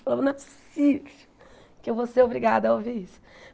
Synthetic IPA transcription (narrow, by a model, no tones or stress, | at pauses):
lɐ̃mɐnat̪si̥ | kɪewvoseɾobɾiɡad̪ɐɐoviɾisʊ̥